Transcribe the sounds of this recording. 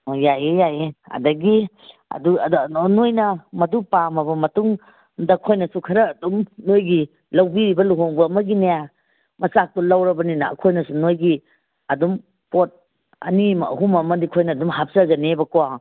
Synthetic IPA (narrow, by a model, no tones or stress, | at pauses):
jajejaeɐ̰dɐɡi | ɐ̰dunojnɐmɐdupamɐbɐmɐtuŋ | dɐkʰojnɐsukʰɐɾɐːdumnojɡi | lɐwbiɾibɐluɦɔŋbɐːmɐɡineja | mɐsak̚tɔlawɾɐbɐninɐɐ̰kʰojnɐsunojɡi | ɐdum | pot̚ | ɐ̰nimɦumɐmɐdikʰojnɐːdumɦap̚sɐɡɐnebɐkowa